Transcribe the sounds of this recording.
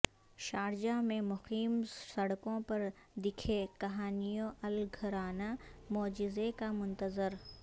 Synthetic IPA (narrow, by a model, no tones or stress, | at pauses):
ʃaːɾd͡ʒamẽmʊxiːmsɐɽkõpɐɾ | d̪ɪkʰekɐɦaːnijõʔɐlɡʱɐɾaːnamɔːd͡ʒɪzekamʊ̃nt̪əzɪɾ